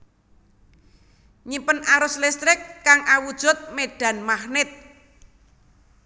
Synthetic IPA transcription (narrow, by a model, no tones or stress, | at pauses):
ɲipənaɾʊslɛst̪ɾɪkːaŋʔawud̥ʒ̥ʊ̤t̪̚meɖ̥ä̤nmahnɪt̪̚